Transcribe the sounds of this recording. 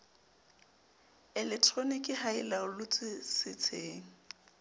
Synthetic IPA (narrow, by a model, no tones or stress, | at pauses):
ɛlɛk̚tʰʼronikʼɪhaɪlaʊlʊt͡sʼɪsɪt͡sʰeːŋ̩